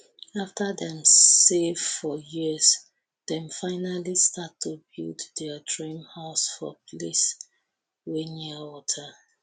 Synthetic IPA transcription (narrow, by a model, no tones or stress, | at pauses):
aftəðɛ̃msevfɔjiz | ð̥ɛ̃mfaɪnalistʰatʰːubḭldðɛdɹĩmhaʊsfɔ̰pʰles | wenawɔtʰə